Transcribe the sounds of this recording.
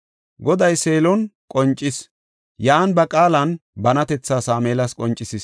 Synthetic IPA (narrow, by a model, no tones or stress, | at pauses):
ɡɔd̪ɐjse̞ːlɔnkʼɔnt͡ʃʼːɪs | jaːnbɐkʼaːlɐnbɐnɐt̪ɛt͡sːaːsaːmeːlɐskʼɔnt͡ʃʼːɪsɪs